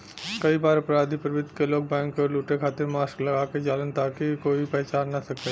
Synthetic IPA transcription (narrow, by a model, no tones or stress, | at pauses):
kɐibaːɾʊpɾaːd̪ʱipɾɐʋɪd̪ʱkeloːɡ̚bɛ̃ːŋkːɔɾluːʈekʰaːt̪emaːsklɐɡaːked͡ʒaːlənt̪aːkikoːipɛːt͡ʃaːɾnasɐk̪̚e